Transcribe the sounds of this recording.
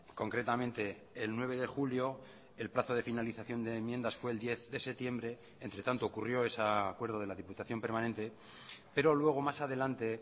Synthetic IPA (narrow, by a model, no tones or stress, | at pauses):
ko̞ŋkɾe̞t̪amẽnt̪e̞ː | lnwe̞β̞e̞ðe̞xuljo̞ | e̞lplaθo̞ð̞e̞finaliθaθjo̞nd̪eːmje̞nd̪asfwe̞ːld̪je̞θðe̞se̞t̪je̞mbɾe̞ːnt̪ɾe̞t̪ant̪oːkurjo̞e̞sakwe̞ɾð̞o̞ð̞e̞laðiput̪aθjo̞mpe̞ɾmãnẽ̞nt̪e̞ | pe̞ɾo̞lwe̞ɣ̞o̞masaðe̞lant̪e̞